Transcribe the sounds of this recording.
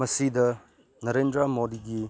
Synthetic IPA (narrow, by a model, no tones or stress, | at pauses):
mɐsidɐ | nɐɾendɾɐmodiɡi